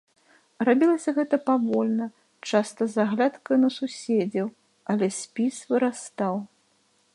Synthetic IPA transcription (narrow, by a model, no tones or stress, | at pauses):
rabʲilˠɐsʲɐɣɛt̪ɐpavɔlʲnɐ | t͡ʂast̪ɐzaɣlʲat̪kɐjnɐsusʲed͡zʲɐw | ɐlʲɛsʲpʲisvɨɾast̪aw